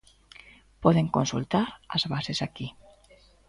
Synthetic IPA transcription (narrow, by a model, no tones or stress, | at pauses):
pɔðeŋkonsult̪aɾa̰zβasesaki